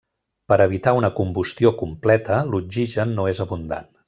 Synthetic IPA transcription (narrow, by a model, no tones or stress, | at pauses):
pəɾəβit̪aunəkumbust̪iokumplɛt̪əlud͡ʒiʒənːoezəβund̪a̰n